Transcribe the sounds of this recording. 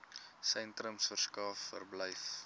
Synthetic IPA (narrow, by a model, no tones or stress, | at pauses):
sɛntrɾəmsfərskɑːfːə̰rbləjf